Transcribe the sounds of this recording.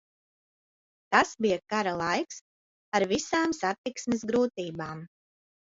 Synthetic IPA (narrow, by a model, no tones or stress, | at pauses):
t̪asbijakaɾalˠajks | aɾvisaːmsat̪iksmɛzɡɾuːt̪iːbaːm